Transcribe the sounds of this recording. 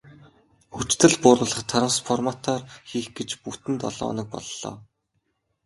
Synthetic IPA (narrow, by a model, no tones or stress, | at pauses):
xut͡ɕt̪ɘ̆ɮpʊːɾʊːɮə̆χt̪ʰaɾə̆msfɔrmat̪ʰɔːrxiːxɡet͡ɕput̪ɘ̆nt̪ɔ̰ɮɔ̰ːnɞ̆k̚pɔ̰ɮːɔ̰ː